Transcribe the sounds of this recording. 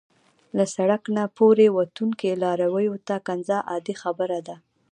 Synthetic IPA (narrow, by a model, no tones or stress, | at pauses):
lasaɽaknapoɾewat̪uŋkelɑɾawəjot̪akanzaʔɑd̪ixabəɾad̪a